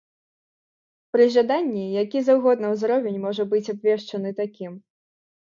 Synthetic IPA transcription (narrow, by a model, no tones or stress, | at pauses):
pɾɨʐad̪anʲːijakʲizawɣɔd̪̚nɐwzɾɔvʲɛnʲmɔʐɐbɨt͡sʲabvʲɛʂt͡ʂɐnɨt̪akʲim